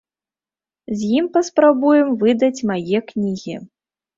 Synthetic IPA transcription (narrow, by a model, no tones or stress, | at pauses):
zʲjimpɐspɾabujɛmvɨd̪ɐt͡sʲmajɛknʲiɣʲi